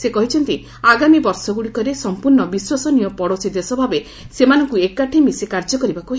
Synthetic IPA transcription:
sekɔɦit͡ʃʰɔnt̪i | aɡamibɔɾsɔɡuɽikɔɾesɔmpuɾɳɔbiswasɔnijɔpɔɽosid̪esɔbʱabe | semanɔŋkuekaʈʰimisekaɾd͡ʒɔkɔɾibakuɦe

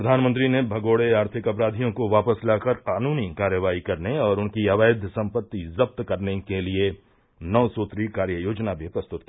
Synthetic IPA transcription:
pɾɐd̪ʱaːnmə̃nt̪ɾinebʱɐɡoːɽeaːɾt̪ʰɪkɐpɾaːd̪ʱijõkoʋaːpəslaːkəɾqaːnuːnikaːɾjəʋaːikɐɾneɔːɾʊnkiɐʋaːɪd̪ʱsɐ̃mpət̪ːizɐb̚t̪kɐɾnekelie | nɔːsoːt̪ɾikaːɾjəjoːd͡ʒnabʱipɾɐst̪ʊt̪̚ki

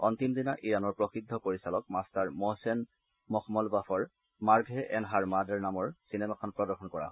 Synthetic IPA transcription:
ɔnt̪imdinaʔijanɔɹpɹɔxid̪ʱːɔpoɹisalɔkmastaɹmɔsɛn | mɔxʰmɔlbafʰɔɹ | maɹɡʱɛʔɛnɦaɹmadɛɹnamɔɹsinɛmakʰɔnpɹɔdɔɹxʰɔnkɔɹa̰

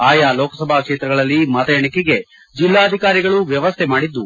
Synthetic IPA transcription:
aːjaːlɔːkɐsɐbʱaːkʂeːt̪ɾɐɡɐɭɐlːimɐt̪ɐjɐɳikiɡe̞ | d͡ʒilːaːɐd̪ʱikaːɾiɡɐɭuʋjɐʋɐst̪ʰɛmaːɽid̪ːu

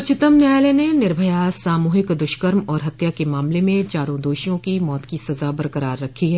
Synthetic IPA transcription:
ʊt͡ʃɪt̪əmnjaːjlenenɪɾbʱəjasaːmoːɦɪkd̪ʊʃkəɾmɔːɾɦɐt̪jakemaːmlemẽt͡ʃaːɾõd̪oːʃijõkimɔːt̪kisɐzabɐɾkəɾaːɾːɐkʰːiɦɛː

